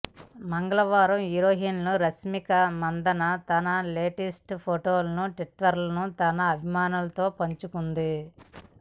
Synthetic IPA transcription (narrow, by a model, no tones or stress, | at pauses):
mɐŋɡɐlɐʋaːɾɐmiɾoːɦiːnluɾɐsmikɐmɐnd̪ɐnɐt̪ɐnɐleːʈisʈpʰoʈoːlɐnuʈiʈʋɐɾlɐnut̪ɐnɐːbʱimaːnulɐt̪o̞ːpɐɲt͡ʃukund̪i